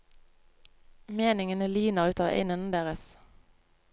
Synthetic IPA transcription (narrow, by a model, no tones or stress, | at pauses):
meːnɪŋənəlyːnəʁʉːt̪ɑːʋʔḛɪnənd̪eːʁəs